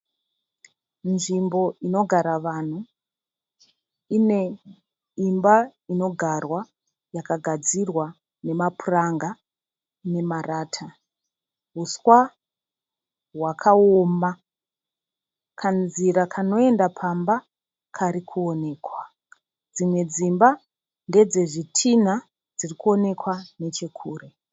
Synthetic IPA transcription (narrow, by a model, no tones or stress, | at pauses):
nʐimbo̞ino̞ɡʱaɾaʋaːn̤u | ine̞ | imbaino̞ɡʱarwa | jakaɡʱad͡zirwa | ne̞mapuraŋɡa | ne̞maraːtʰa | ɦuswa | ɦwakʰaoma | kʰanziɾakʰano̞e̞ndapʰamba | kʰaɾikʰuo̞ne̞ːkwa | d͡zimwe̞d͡zimba | nde̞d͡ze̞ʐitʰina | d͡zirikuo̞ne̞kwane̞t͡ʃe̞kʰuːre